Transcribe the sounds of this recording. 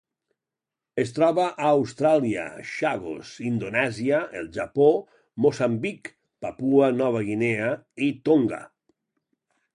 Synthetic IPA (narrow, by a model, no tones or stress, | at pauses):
est̪ɾɔβaʔaːwst̪ɾalia̰ʃaɣo̰sind̪onɛziaelˠʒapo | mosambik | papuanɔβ̞aɣineait̪oŋɡa̰